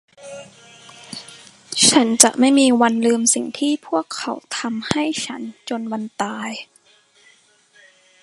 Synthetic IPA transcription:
t͡ɕʰa˦˥nt͡ɕa̰˨˩ʔma˥˩jmiː˧wa˧nlɯː˧msi˨˩ŋt̪ʰiː˥˩pʰu˥˩əkʰːa̰˩˦wt̪ʰa˧mha˥˩jt͡ɕʰa˦˥nt͡ɕo˧nwa˧nt̪aː˧j

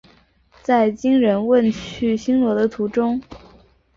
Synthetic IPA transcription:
t͡sa˥˩ɪt͡ɕi˥ŋɻə˧˥nwə˥˧nt͡ɕʰy˥˩ɕi˥ŋlwɔ˧˥d̪ə˧t̪ʰu˧˥ʈ͡ʂʊ˥ŋ

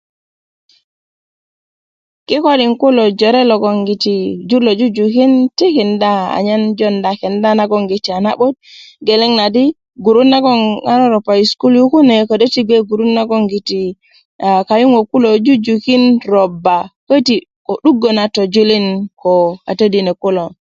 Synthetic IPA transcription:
ki˦ko˦ɗi˨ŋku˦lɔd͡ʒɔɾɛ˦lɔɡɔ˨ŋɡi˨tid͡ʒu˦lɔ˨d͡ʒu˦d͡ʒu˨ki˦nti˦kindaa̰ɲa˦nd͡ʒɔndakɛ˨nda˦na˦ɡɔŋɡi˨t͡ʃa˨na˦ɓɔ˦t̚ɡɛ˨lɛ˦ŋnadi˦ | ɡu˨ɾu˦nːa˦ɡɔ˦a˦nɔ˦ɾɔ˨pːa˨i˨sku˦lju˦ku˦nɛ˨ko˨do˦ti˦ɡe˦ɡu˨ɾu˦nːa˦ɡɔ˦ŋɡi˨ti | ka˨ju˦ŋo˨ku˦lo˨d͡ʒu˦d͡ʒuki˦nɾɔbːa˨ko˦ti | kɔ˨ɗu˦ɡːɔ˨natɔ˨d͡ʒu˦li˦nkɔa̰˨te˦dinɛ˨ku˦lɔ˨

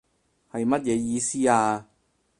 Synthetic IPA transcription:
hɐ˨jmɐ˥t̚jɛː˨˧jiː˧siː˥aː˧

